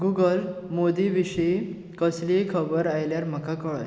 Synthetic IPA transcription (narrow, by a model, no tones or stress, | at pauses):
ɡuɡəlmod̪iʋiɕej | kəslikʰəbəɾajljaɾm̤əkakəɭ̰